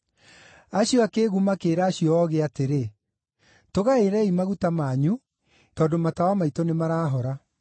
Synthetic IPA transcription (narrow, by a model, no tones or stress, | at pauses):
aɕjɔakeːɣumakeːɾaːɕiɔɔɣeateɾe | toɣaeɾɛimaɣutamaːɲu | tɔːndomatawamaitonemaɾaːɦɔɾa